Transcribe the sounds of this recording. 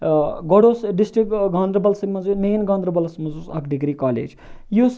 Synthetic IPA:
ɡɔɽoːsɖisʈɾikɡaːnd̪ɾɐbɐlsimɐzumeːnɡand̪ɾɐbɐlsmɐzusɐ̰kʰɖiɡɾikaːlḛːd͡ʒ | jus

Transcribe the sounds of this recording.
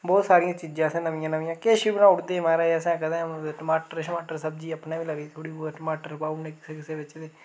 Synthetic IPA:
bɔːt̪saːɾɪjãːt͡ʃiːd͡ʒãːsɛ̃ːnəʋɪjãːnəʋɪjãːkeːʃiːbənãːʊɽd̪eːmaːɾaːsɛ̃ːkəd̪ẽːʈəmaːʈəɾʃəmaːʈəɾsəbd͡ʒiːəpnãːʋiːləɡiːt̪ʰoːɽiːʈəmaːʈəɾbaːuneːkɪ̥sekɪseːbɪt͡ʃd̪eː

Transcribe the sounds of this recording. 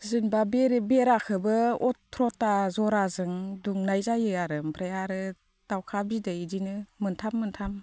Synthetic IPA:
zɯnbabeɾbeɾakʰɯbɯɔtʰːɾɔtazɔɾazɯŋduŋnajzajɯjaɾɯmpʰɾajaɾɯ | d̥awkʰabidɯidinɯmɯntʰamːɯntʰam

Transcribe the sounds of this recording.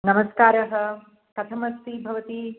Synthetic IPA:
nɐmɐskaːɾɐɦɐ | kɐt̪ʰɐmɐst̪ibʱɐʋɐt̪i

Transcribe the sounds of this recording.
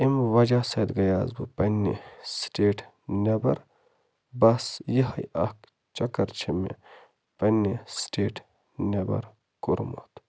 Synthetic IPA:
imʋɐd͡ʒaːsɐd̪ɡɐjaːzbɨpɐnːḭsʈeːʈʰ | nebɐ̰ɾ | bɐsjiɦɐjɐk | t͡ʃɐkɐɾt͡ʃʰimḛ | pɐnːisʈeːʈ | nebɐ̰ɾ | kuɾmo̰t̪

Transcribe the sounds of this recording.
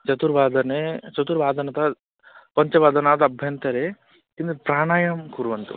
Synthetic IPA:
t͡ʃɐt̪uɾbaːd̪ɐnet͡ʃɐt̪uɾbaːd̪ɐnɐt̪a | pɐɲt͡ʃɐbaːd̪ɐnaːt̪ɐbʱjɐnt̪ɐɾe | kind̪upɾaːɳaːjɐmkuɾʋɐnt̪ṵ

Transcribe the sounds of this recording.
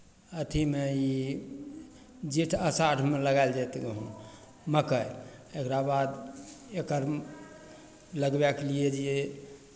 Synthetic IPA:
ət̪ʰimei | d͡ʒiʈʰəsaʈʰmeləɡaeld͡ʒat̪ɡəɦũ | məkəjekɾabad̪ekəɾ | ləɡbɛklied͡ʒie

